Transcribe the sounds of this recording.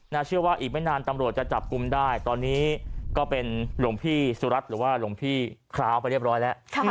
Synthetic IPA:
naː˥˩t͡ɕʰɯ˥˩əwaː˥˩ʔiː˨˩k̚mɛ˥˩naː˧nt̪a˧mɾu˨˩ət̪̚t͡ɕa˨˩t͡ɕa˨˩p̚ku˧mdaː˥˩jt̪ɔː˧nːiː˦˥kɔː˥˩pe˧nlu˨˩əŋpʰiː˥˩su˨˧˦ɾa˦˥t̪̚ɾɯː˩˦waː˥˩lu˩əŋpʰiː˥˩kʰɾaː˦˥˩wpa˧ɾi˥˩əp̚ɾɔː˦˥jlɛ˦˥ʔʰ

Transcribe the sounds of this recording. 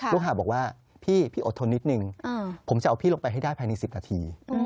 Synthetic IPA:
lu˥˩k̚ɦaː˨˩bɔː˨˩waː˥˩ | pʰiː˥˩pʰiː˥˩o˨˩t̪ʰːo˧nːi˦˥t̪̚nɯ˧ŋː˧pʰo˩˦mt͡ɕa˨˩ʔa˧wpʰiː˥˩lo˧ŋpa˧jɦa˥˩jdaː˥˩jpʰaː˧jna˧jsi˨˩p̚naː˧t̪ʰḭː˧

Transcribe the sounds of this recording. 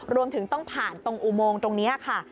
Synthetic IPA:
ɾu˧əmt̪ʰɯ˩˦ŋt̪ɔ˥˩ŋpʰaː˨˩nt̪o˧ŋʔu˨˩moː˧ŋt̪o˧ŋni˦˥ɐ˨˩kʰa˥˩

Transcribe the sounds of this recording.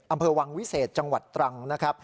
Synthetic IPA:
ʔa˧mpʰɤː˧wa˧ŋwi˦˥seː˨˩t̪̚t͡ɕa˧ŋwa˨˩t̪ːɾa˧ŋna˦˥kʰɾa˦˥p̚

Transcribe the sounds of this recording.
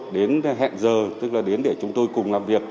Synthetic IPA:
ɗe˨˦nɦɛ̰˧˨nzəː˨˩t̪ɨ˦˥k̚laː˨˩ɗe˨˦nɗe˧˩t͡ɕʊ˨˦ŋ͡mt̪o˧jkʊ˨˩ŋ͡mlaː˨˩mvi˨˩ək̚

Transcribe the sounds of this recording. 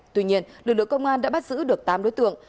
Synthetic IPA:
t̪wi˧ɲi˧ənlɨ̰˨˩k̚lɨ˧˨ə˨ŋkə˧wŋ͡mʔaː˧nɗa̰ː˧˥ɓa˦˥t̚zɨ̰˧˥ɗɨ˨˩ək̚t̪aː˨˧mɗo̰˨˦jt̪ɨ̰˧˨əŋ

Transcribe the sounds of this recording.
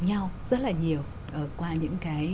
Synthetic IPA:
ɲa˧wzə˦˥t̚laː˨˩ɲi˨˩əw | ʔəː˧˨˩kwaː˧ɲɨ̰˧˥ŋkaː˨˦j

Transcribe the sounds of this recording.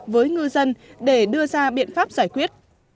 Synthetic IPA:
vəː˨˦jŋɨ˧zə˧nɗe˧˩ɗɨ˧əzaː˧ɓḭ˧˨ənfaː˦˥p̚zaː˧˩jkwi˦˥ət̚

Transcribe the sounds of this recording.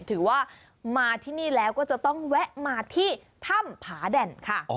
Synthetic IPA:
t̪ʰɯː˩˦waː˥˩ | maː˧t̪ʰiː˥˩niː˥˩lɛː˦˥wkɔː˥˩t͡ɕa˨˩t̪ɔ˥˩ŋwɛ˦˥ʔmaː˧t̪ʰiː˥˩t̪ʰa˥˩mpʰaː˩˦dɛ˧nkʰa˥˩

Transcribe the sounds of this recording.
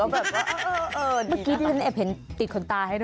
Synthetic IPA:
kɔ˥˩bɛː˨˩p̚waː˥˩ʔːʔːʔɤː˧maː˦˥kiː˧t̪ʰiː˥˩a˦nʔɛ˨˩p̚ʰhe˩˦nt̪i˨˩t̚kʰo˧nt̪aː˧ɦa˥˩jd

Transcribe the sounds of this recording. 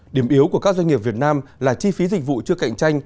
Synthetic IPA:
ɗi˧˩əmʔi˨˦əwku˧˩əkaː˦˥k̚za˧ŋi˨˩əp̚vi˨˩ət̚naː˧mlaː˨˩t͡ɕi˧fi˨˦zï˨˩k̟̚vṵ˧˨t͡ɕɨ˧əka̰˧˨jŋ̟t͡ɕa˧jŋ̟

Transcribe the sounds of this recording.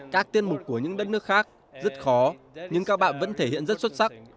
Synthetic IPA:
kaː˦˥k̚t̪i˧ənmʊ˨˩k͡p̚kːu˧˩əɲɨ̰˧˥ŋɗə˦˥t̚nɨ˦˥ək̚xaː˦˥k̚ | zə˦˥t̚xɔ˨˦ | ɲɨ˧ŋkaː˦˥k̚ɓa̰ː˧˨nvə̰˧˥nt̪ʰe˧˩hḭ˧˨ənzə˦˥t̚swə˦˥t̚sa˦˥k̚

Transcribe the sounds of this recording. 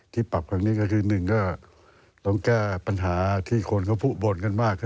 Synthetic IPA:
t̪ʰiː˧˨pa˨˩p̚kʰa˧ŋniː˧˥˨ka˧˩kʰɯː˧nɯ˨˩ŋkɔ˧˩ | lɔ˧˦ŋkaː˧˩pa˧nɦaː˨˩˦t̪ʰiː˧˩kʰo˧˥˨nkʰa˧˩pʰuː˧˩bo˨˧˦nka˧˨nmaː˧˥˩k̚ʰ

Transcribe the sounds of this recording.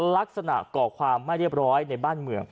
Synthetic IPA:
la˦˥k̚sa˧na̰˨˩kɔː˨˩kʰwaː˧mːa˥˩jɾi˥˩əp̚ɾɔː˦˥jna˧jbaː˥˩nmɯ˨˩əŋ

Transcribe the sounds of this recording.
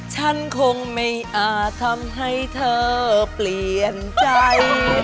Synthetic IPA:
t͡ɕʰa˥˩nkʰo˧ŋma˥˩jʔaː˧˩t̪ʰa˧mɦa˥˩jt̪ʰɤː˧pli˨˩ənt͡ɕa˧j

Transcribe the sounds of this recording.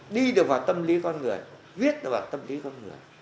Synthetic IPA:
ɗi˧ɗɨ˨˩ək̚vaː˨˩wt̪ə˧mli˨˦kɔ˧nŋɨ˨˩əj | vi˦˥ət̚ɗɨ˨˩kvaː˨˩t̪ə˧mli˨˦kɔ˧nŋɨ˨˩əj

